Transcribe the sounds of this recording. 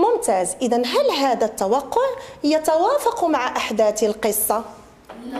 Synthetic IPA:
mʊmt̪aːzʔɪd̪anɦælɦaːd̪æt̪ːɑwɑqːʊʕjɑt̪awaːfɑqmaʕaʔaħd̪aːt̪əlqəsˤːɑ

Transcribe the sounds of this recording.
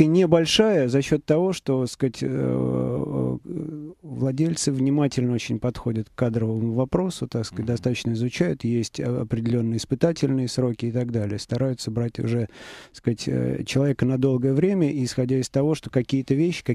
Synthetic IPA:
nʲɪbɐlʲʂajəzɐɕːo̞t̪ːɐvo̞ʂt̪o̞skatʲə | vlˠɐdʲelʲt̪sɨvnʲɪmatʲɪlʲnəo̞t͡ɕɪnʲpɐt̪xo̞dʲət̪kːad̪ɾəvəmʊvɐpɾo̞sʊt̪akskat̚ʲd̪ɐst̪at̪ə̥t͡ɕnəɪzʊt͡ɕæjʊt̪jesʲtʲɐ̰pɾʲɪdʲɪlʲo̞nːɨjəɪspɨt̪atʲɪlʲnɨjəsɾo̞kʲɪɪt̪ɐɡd̪alʲɪjəst̪ɐɾajʊt̪səbɾatʲʊ̰ʐɛskatʲə̰t͡ɕɪlˠɐvʲekənɐd̪o̞lˠɡəjəvɾʲemʲəʔisxɐdʲæɪst̪ɐvo̞ʂt̪okɐkʲijət̪əvʲeɕːɪ̥kɐ

